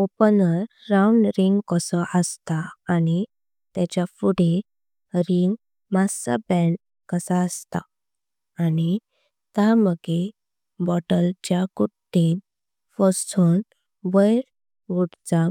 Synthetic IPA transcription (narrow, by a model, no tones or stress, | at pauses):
opənəɾːauɳɖɾiŋɡkəsɔʔəst̪aːñi | t̪at͡ɕjafuɽe | ɾiŋɡ | masa̰bɛ̃ɳ | kəsaəst̪a̰ː | ni | t̪aməɡe | bɔʈəld͡ʑjakuʈːin | fɔst͡sʰun | ʋəjɾ | ʋuɽt͡sa